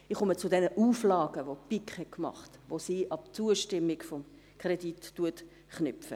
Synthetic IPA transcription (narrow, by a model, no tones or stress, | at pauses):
ɪχʊmət͡sʊdɛnəʔuːflɑːɡəʋopikχhɛtkmɑ̰χtʋosiːʔɑp̚t͡suəʃtɪmːɪɡfɔm | kʰʁeditːuət | χnɪfə̰